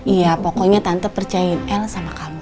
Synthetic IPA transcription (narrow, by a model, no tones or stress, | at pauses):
ijapokɔɲat̪ant̪əpərt͡ʃajainɛlsamakamu